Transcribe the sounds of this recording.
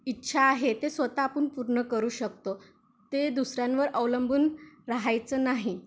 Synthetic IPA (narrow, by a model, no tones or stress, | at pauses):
itːɕʰaːɦet̪esʋət̪aːpunpuɾɳəkəɾuːɕək̚t̪o | t̪ed̪usɾjãnʋəɾəʋləmbʱuːnɾaɦajt͡səːnaɦi